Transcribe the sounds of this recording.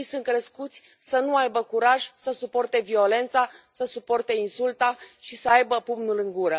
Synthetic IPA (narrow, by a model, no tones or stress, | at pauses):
sɨn̚kɾeskut̪sʲ | sənuajbəkuɾaʒsəsupo̞rt̪e̞vio̞le̞nt̪sasəsupo̞rt̪e̞insult̪aʃisəajbəpumnulɨŋɡuɾə